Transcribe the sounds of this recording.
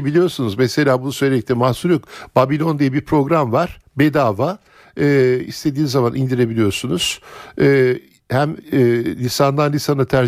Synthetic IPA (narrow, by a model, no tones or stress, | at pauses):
bilʲijo̞ɾsunuzmɛse̞lʲaːbunusø̞jlʲeic̚t̪ʲimahsuɾokbabilʲo̞nd̪ijɛbiɾpʰɾo̞ɡɾamvaɾ̥bed̪aːva | ɛːḭst̪ʰe̞d̪iːnzamanʔind̪iɾe̞bilʲijo̞ɾsunuz̥ɛː | hæmːlʲisand̪anlʲisanat̪ʰæɾ